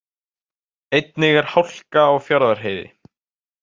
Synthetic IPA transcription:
ejt̪nɪɣɛɾ̥hawl̥kaawfjaɾðaɾ̥ɦeːjðɪ̰

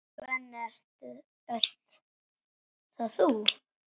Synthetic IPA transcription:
vɛnːɛɾ̥t̪ʏ | ɛɬt̪ | θaðθu

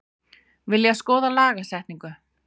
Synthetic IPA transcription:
vɪljaskɔːðalaːɣasɛht̪niŋkʏ

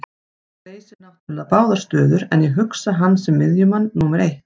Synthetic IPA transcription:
leːjsɪnaht̪ʏnt̪apaːwðaɾ̥st̪œːðʏɾɛnjɛɦʏksaɦanːsɛmːɪðjʏmanːuːmɛɾejht̪

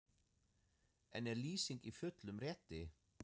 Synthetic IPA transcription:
ɛnɛɾliːsiŋkifʏt̪lʏmrɛːt̪ɪ

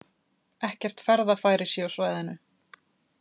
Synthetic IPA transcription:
ɛhcɛr̥t̪fɛɾðafaːjɾɪ̥sjɛawsvaːjðɪnːʏ

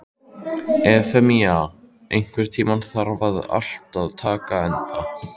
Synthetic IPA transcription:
ɛfɛmiaː | ejŋ̥kʰvɛɾ̥t̪ʰiːmanθaɾvaða̰l̥t̪aðt̪ʰaːkaɛnt̪a

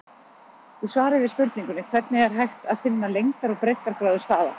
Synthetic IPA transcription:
θɛðsvaːɾɪvɪðspʏɾt̪niŋkʏnɪkʰv̥ɛɾt̪̚nɪɛɾ̥ɦajxt̪aðfɪnːalejŋkaɾɔɣpɾejhk̪aɾ̥kɾaːðʏst̪aːða̰

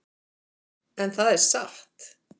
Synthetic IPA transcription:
ɛnθaðɛɾ̥saht̪

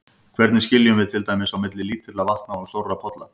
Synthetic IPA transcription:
kʰvɛɾt̪nɪscɪljʏmvɪðt̪ʰɪlt̪ajmɪsawmɪt̪lɪliːt̪ʰɪt̪lavaht̪nast̪owrapʰɔt̪la

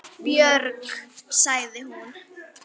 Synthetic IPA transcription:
pjœɾksaɣðɪhun

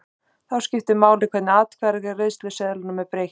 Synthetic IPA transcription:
θawscɪft̪ɪmaːwlɪkʰvɛt̪nɪaːt̪kʰvɛɾɣɪreɥst̪lɪsɛðɪlɪnʏmɛðpɾeːj

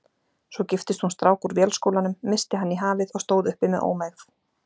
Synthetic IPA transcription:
sɔcɪft̪ɪst̪hunst̪ɾaːwkuɾvjɛlskoːwlanʏmːɪst̪ɪɦanːiɦaːvɪðɔɣst̪oːwðʏhpɪmɛðʔo̰ːwmajθ

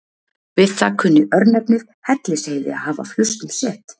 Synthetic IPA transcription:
vɪðθakʰʏnːɪʔœɾnɛpnɪð | hɛt̪lɪsheːjðɪ̰a̰ðhaːva̰flʏst̪ʏmsɛht̪

